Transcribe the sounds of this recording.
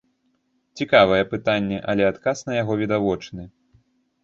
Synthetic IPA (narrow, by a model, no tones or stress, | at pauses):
t͡sʲikavɐjɛpɨt̪anʲːɛʔɐlʲɛat̪kasnɐjaɣɔvʲid̪avɔt͡ʂnɨ